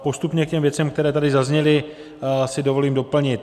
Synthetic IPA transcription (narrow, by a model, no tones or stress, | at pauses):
po̞st̪upɲɛkcɛmvjɛt͡sɛmk̚t̪ɛɾɛːt̪adɪzazɲɛlɪ | sɪdo̞vo̞liːmdo̞pl̩ɲɪt̪